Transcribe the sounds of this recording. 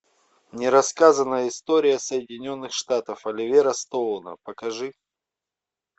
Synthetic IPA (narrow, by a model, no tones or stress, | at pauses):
nʲɪɾɐskazənːəjɪst̪oɾʲɪjəsəjɪdʲɪnʲo̞nːɨxʂt̪at̪əfɐlʲɪvʲeɾəst̪onə̰pəkɐʐɨ